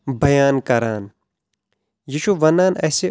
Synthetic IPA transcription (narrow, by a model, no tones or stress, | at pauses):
bɐjaːnkɐɾaːn | jiʃuʋɐnaːnɐse